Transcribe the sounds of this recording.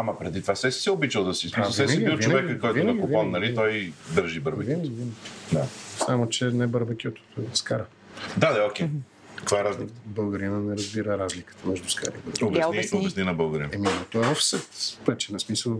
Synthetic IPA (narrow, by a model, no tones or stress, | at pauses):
amɐpɾɛd̪it̪ovasɛsi̥sɛobit͡ʃəlˠd̪ɐsismisˠssɛibiɾvt͡ʃovɛɡkəkːɔjt̪iʊɐkʊvɔnːɐlit̪ɔjd̪əɾʒibəɾbɐkvinvinəkd̪a̰samot͡ʃɛnɛbəɾbəkʲot̪o̥t̪skaɾə | d̪ad̪ɐokʲɛ | ɐkvaɛɾazlikət̪əbəlˠɡəɾinənɛɾɐzbiɾəɾazlikə̥t̪əmɛʒd̪ʊska̰ɾḭbəlˠɾob̪bɛsninɐbəlˠɡəɾḭnɛminɛt̪ɔɛvɐfsət̪ɾɛt͡ʃɛnɐsmisəlˠ